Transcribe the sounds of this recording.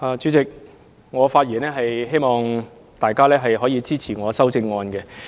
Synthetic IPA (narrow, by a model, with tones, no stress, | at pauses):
aː˨˧t͡ʃy˨˥t͡sɪ˨k̚ | ŋɔː˨˧faː˧t̚jiː˨˩nɛː˥ɦɐ˨jɦe˥jmɔː˨ŋ | t̪aː˨jkaː˥lɛː˥ɦɐ˨jɦɔː˨˥jiː˧t͡siː˥t͡sʰiː˨˩ŋɔː˨˧sɐ˥wt͡sɪ˧ŋːɔː˧nkɛ˧